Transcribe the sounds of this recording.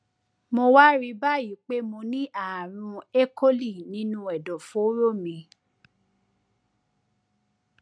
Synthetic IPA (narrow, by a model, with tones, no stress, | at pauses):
mo˧wa˦ɾi˧ba˦˨ji˨˦k͡pe˦mo˧nĩ˦ʔa˦˨ɾ̃ũ˧e˦kʰo˦li˦˨nĩ˨˦nũ˦ɛ˨dɔ˨fo˨˦ɾo˦˨mĩ˧